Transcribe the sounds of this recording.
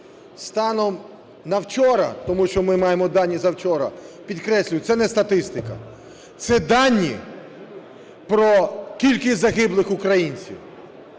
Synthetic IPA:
st̪ɑnɔm | nɐwt͡ʃɔɾɐ̰t̪ɔmuʃt͡ʃɔmɪmɑjemɔd̪ɑnʲːizɐwt͡ʃɔɾɐ̰pʲid̪kɾɛsʲlʲʊjʊt̪sɛnɛst̪ɐt̪ɪst̪ɪkɐ̰ | t̪sɛd̪ɑnʲːi | pɾɔkʲilʲkɪzɐɦɪblˠɪxʊkɾɐjinʲt͡sʲḭw

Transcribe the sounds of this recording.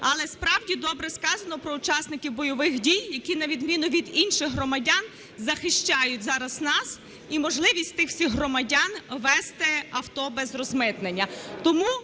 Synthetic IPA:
ɐlˠɛspɾɑwdʲid̪ɔbɾɛskɑzɐnɔpɾɔut͡ʃɑsnɪkʲiwbɔjɔʋɪxdʲijːɐkʲinɐʋʲid̪mʲinʊʋʲid̪inʃɪɣɦrɔmɐdʲan | zɐxɪʃt͡ʃɑjʊtʲzɑɾɐznɑs | imɔʒlˠɪʋʲisʲtʲt̪ɪxwsʲixɦrɔmɐdʲanʋɛst̪ɛɐwt̪ɔbɛzrɔzmɪt̪nenʲːɐt̪ɔmu

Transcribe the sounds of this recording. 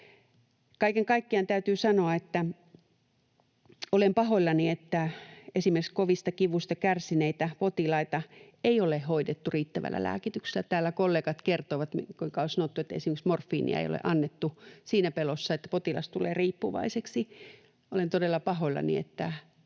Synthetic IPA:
kɑikeŋkɑikːiɑnt̪æyt̪yːsɑnoɑet̪ːæ | olempɑhoilːɑniet̪ːæesimerkskoʋist̪ɑkiʋust̪ɑkærsineit̪æpot̪ilɑit̪ɑ | eiolehhoidet̪ːuriːt̪ːæʋæ̰lːæ̰læ̰ːkit̪ykse̥lːæt̪æːlːˑækolːeːkɑt̪kert̪oʋɑt̪mikuiŋkɑosɑnot̪ːuet̪ːæḛsimeksmorfːiːnḭɑ̰ḛio̰lḛʔɑnːet̪ːusiːnæpelosːɑet̪ːæ̥pot̪ilɑ̰st̪ulḛːriːpːuʋɑ̰iseksi | olent̪odelːɑpɑhoilːɑ̰nḭḛt̪ːæ

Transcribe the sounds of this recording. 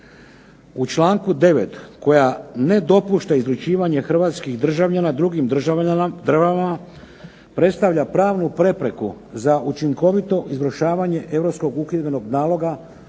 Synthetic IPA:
ut͡ʃlaːŋkud̪e̞ʋe̞̰t̪ko̞jane̞d̪o̞puʃt̪aizɾut͡ɕiːʋaɲe̞xr̩ʋaːt̪skiɣd̪r̩ʒaʋʎanad̪ɾuɡim | d̪ɾʒaama | pɾe̞t̪st̪aʋʎapɾaːʋnupɾe̞pɾe̞kuzaʔut͡ʃiŋko̞ʋit̪o̞ʔizʋɾoʃaːʋaɲe̞ʔe̞ʋɾo̞psko̞ɡukid̪be̞no̞ɡnaːlo̞ɡa

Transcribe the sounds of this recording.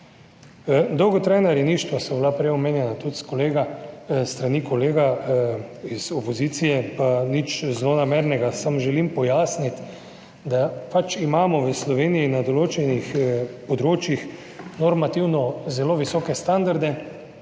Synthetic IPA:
d̪ɔwɡɔt̪ɾajnaɾjɛniʃt̪ʋasɔbilapɾɛjɔmeːnjɛnat̪ut̪skoleːɡast̪ɾanikoleːɡa | izopoziːt̪sijɛpanit͡ʃzlonameɾnɛɡasamʒɛlimpɔjaːsnit̪ | d̪apat͡ʃimaːmɔʋəslɔʋeːnijinad̪oloːt͡ʃɛnixpɔd̪ɾoːt͡ʃjix | nɔɾmat̪iwnɔzɛloʋisɔːkɛst̪and̪aɾd̪ɛ

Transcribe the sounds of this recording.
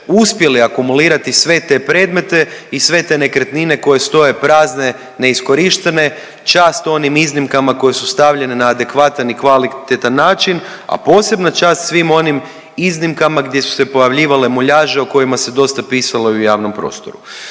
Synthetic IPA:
uspje̞liakumuliːɾat̪isʋe̞t̪e̞pɾe̞ːd̪me̞t̪e̞isʋe̞t̪e̞ne̞kɾet̪nine̞ko̞je̞st̪o̞je̞pɾaːzne̞ | ne̞isko̞ɾiʃt̪e̞ne̞ | t͡ʃaːst̪o̞nimiznimkamako̞je̞sust̪aʋʎe̞ne̞naːd̪e̞kʋat̪anikʋalit̪et̪anːaːt͡ʃin | a̰po̞ːse̞bnat͡ʃaːst̪sʋimo̞nim | iznimkamaɡd̪je̞su̥se̞po̞jaʋʎiːʋale̞moʎaːʒeoko̞jimase̞d̪o̞st̪apiːsaloujaːʋno̞mpɾo̞̰ːst̪o̞̰ɾu

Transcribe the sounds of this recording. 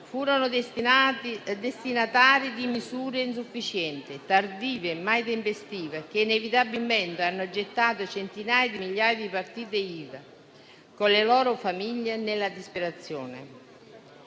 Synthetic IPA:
fuːɾonʊ | d̪est̪inat̪aːɾid̪imisuːɾeins̬ufːit͡ʃɛnt̪ɪt̪ard̪iːvemajt̪̬empest̪iːvek̟einevit̪abilmɛnt̪anːʊd͡ʒet̪ːaːt̪̬ʊt͡ʃent̪inaːjed̪imiʎːaːjed̪ipart̪iːt̪̬eiːða | konlelɔːɾʊfamiʎːenelːad̪ispeɾat̪sːjɔːnɪ̰

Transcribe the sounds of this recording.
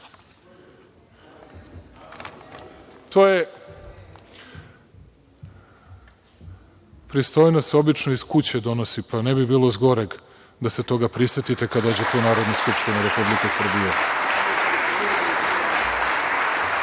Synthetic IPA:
t̪oje | pɾist̪o̞jnaseo̞bit͡ʃnoiskut͡ɕe̞d̪o̞no̞sipanebibiːlo̞zɡo̞ɾeɡ | d̪ase̞t̪o̞ɡapɾiset̪it̪e̞kad̪oːd͡ʑet̪eunaːɾo̞d̪naskupʂt̪ineɾe̞publike̞sr̩bije

